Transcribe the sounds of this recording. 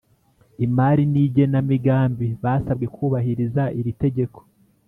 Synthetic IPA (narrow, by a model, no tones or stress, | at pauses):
imaɾiniɟe̞namiɡaːmbiβaːsabɡe̞kuːβahiɾizaʔiɾite̞ɟe̞ko̥